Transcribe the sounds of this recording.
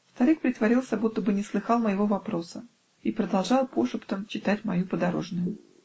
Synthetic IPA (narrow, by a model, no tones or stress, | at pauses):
st̪ɐɾɨk̚pɾʲɪt̪vɐɾʲilˠsʲəbut̪ːəbɨnʲɪslˠɨxɑlˠməjɪvovɐpɾo̞sə | ipɾəd̪ɐlˠʐɑlˠpoʂɨpt̪əmt͡ɕɪt̪atʲmɐjupəd̪ɐɾo̞̰ʐnʊjʊ